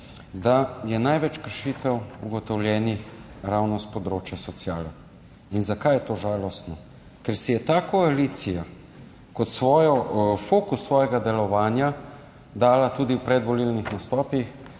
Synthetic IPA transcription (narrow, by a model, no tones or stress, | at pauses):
d̪ajɛnajʋɛt͡ʃkəɾʃiːt̪ɛwṵɡɔt̪ɔwlʲjɛːnixɾawnɔspɔd̪ɾoːt͡ʃjasɔt̪sjaːlɔ | inzakajɛt̪oːʒaːlɔst̪nɔ | kɛɾsijɛt̪aːkɔaliːt̪sija | kɔt̪sʋɔːjɔfoːkusːʋɔːjɛɡad̪ɛlɔʋaːnja | d̪aːlat̪uːd̪iwpɾɛd̪ʋɔlilnixnast̪ɔːpix